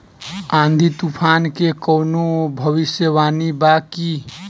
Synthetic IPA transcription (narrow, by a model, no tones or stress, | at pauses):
ãnd̪ʱit̪upʰankekəwnobʱəβisjəʋanibaki